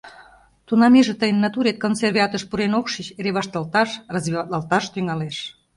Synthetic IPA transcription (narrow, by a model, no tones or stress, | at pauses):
t̪unɑmeʒĕt̪əjənːɑt̪uɾet̪̚konserβʲiɑt̪əʃpuɾenokʃit͡ɕeɾeβɑʃt̪ɑlt̪ɑʃrɑzβiɑt̪ɑlt̪ɑʃt̪yŋɑleʃ